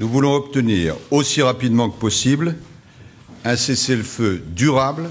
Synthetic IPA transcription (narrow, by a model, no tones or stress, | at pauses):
nuvulɔ̃ɔpt̪əniːʁosiʁapid̪mɑ̃kəpɔsibl | ɛ̃sesɛlfød̪yʁabl